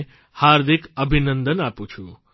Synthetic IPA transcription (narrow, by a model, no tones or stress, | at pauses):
haɾd̪ʱikəbʱinənd̪ənaput͡ʃʰu